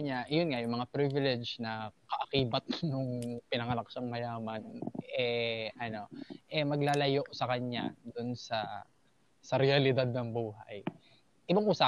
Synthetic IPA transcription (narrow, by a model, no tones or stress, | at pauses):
ɲajʊnŋajʊŋmɐŋapɾivɪlɛd͡ʒnɐkɐʔɐkiːbɐt̪̚nʊŋpɪnɐŋɐlɐkʃaŋmɐjaːmɐnʔɛʔɐno̞ʔɛmɐɡlaːlɐjoʔsɐkɐɲːa̰d̪ʊnsɐ | sɐɾɛɐlɪd̪ad̪̚nɐŋbuːɦɐ̰j | ʔɪbaŋʔusa